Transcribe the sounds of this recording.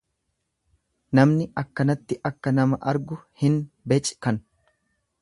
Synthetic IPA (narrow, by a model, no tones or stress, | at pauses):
nɐmnɪɐkːɐnɐt̪ːɪʔɐkːɐnɐmɐʔɐɾɡʊhɪnbɛt͡ʃʼkɐn